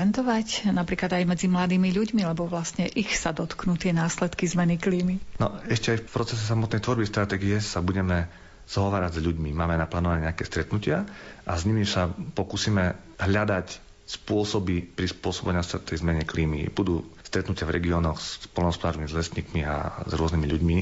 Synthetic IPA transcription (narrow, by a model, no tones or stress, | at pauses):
ɛnt̪ɔʋacnapɾiːklad̪ajmɛd͡zimlad̪iːmiʎuɟmilɛbɔʋlasɲɛʔixsad̪ɔt̪knut̪ɪɛnaːslɛt̪kizmɛnikliːminɔɛʃcɛajfpɾɔt͡sɛs̬ɛs̬amɔt̪nɛjt̪ʋɔɾbist̪ɾat̪ɛːɡijɛsabuɟɛmɛ | z̥ɔɦɔʋaːɾaɟzʎuɟmimaːmɛnaplaːnɔʋaɲɛɲɛakɛːst̪ɾɛt̪nucɪaʔa̰zɲimisapɔkuːsiːmɛ | ɦʎad̪ac | spʊɔsɔbipɾispʊɔsɔbɛɲast̪t̪ːɛjzmɛɲɛkliːmḭb̥ud̪uːst̪ɾɛt̪nucɪavɾɛ̰ɡiɔːnɔxspɔlnɔɦɔspɔd̪aːɾɔmimizlɛst̪ɲiːkmia̰zɾʊɔznimiʎuɟmi